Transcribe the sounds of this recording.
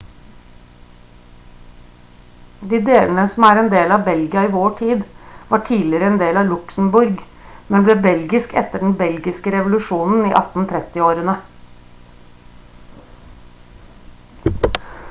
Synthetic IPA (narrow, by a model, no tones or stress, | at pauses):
d̪iːd̪eːlnəsɔmæːɾɛnd̪eːlɑbɛlɡɪɑiːʋoːʈʰiːd̪ʋɑːʈʰiːlɪɾəɛnd̪eːlɑːʋlʉksn̩bʉɾɡ | mɛnbleːbɛlɡɪskɛ̰t̪ːəɖɳ̩bɛlɡɪskəɾɛʋʊlʉʂuːnn̩ḭːʔɑ̰t̪n̩t̪ʰɾɛt̪ɪoːɾənə